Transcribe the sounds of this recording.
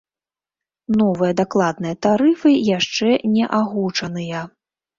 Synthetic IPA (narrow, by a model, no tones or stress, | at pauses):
nɔvɨjɐd̪aklˠad̪̚nɨjɐt̪aɾɨfɨjaʂt͡ʂɛnʲɛʔaɣut͡ʂɐnɨjɐ